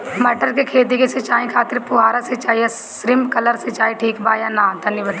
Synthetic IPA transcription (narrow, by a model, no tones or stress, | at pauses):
mɐʈəɾkekʰeːt̪̬ikeset͡ʃaːẽkʰaːt̪ɪɾpʊɦaːɾaset͡ʃaːja | sɾɪmkɐləɾset͡ʃaːĩʈʰiːkbaːjanãːt̪ɐnibəd̪